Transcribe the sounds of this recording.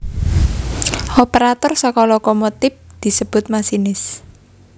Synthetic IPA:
opeɾat̪ɔrsəkɔlɔkomot̪ɪp̚d̪̥i̤səb̥ʊ̤t̪̚masinɪs

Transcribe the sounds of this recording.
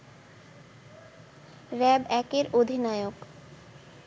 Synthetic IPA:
ɾɛbɛkeɾod̪ʱinaeok

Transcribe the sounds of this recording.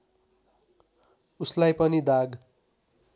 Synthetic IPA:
uslajpʌnid̪aɡ

